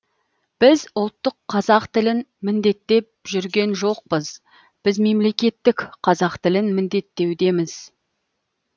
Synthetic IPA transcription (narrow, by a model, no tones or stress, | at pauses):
b̥ɪzʊlˠt̪ːəqʰːɑzɑqt̪ɪlɪn | mɪnd̪e̞t̪ːe̞p̚ʒʏɾɡʲe̞nʒo̞q̚pəz̥ | b̥ɪzme̞mle̞kʲe̞t̪ːɪkqʰɑzɑqt̪ɪlɪnmɪnd̪e̞t̪ːe̞wd̪e̞mɪz̥